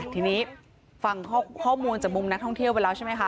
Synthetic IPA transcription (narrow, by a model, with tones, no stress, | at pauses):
t̪ʰiː˧niː˦˥ | fa˧ŋkːkʰɔː˥˩muː˧nt͡ɕaː˨˩k̚mu˧mna˦˥k̚t̪ʰɔ˥˩ŋt̪ʰi˥˩əwpa˧lɛː˦˥wt͡ɕʰa˥˩ma˦˥kʰa˦˥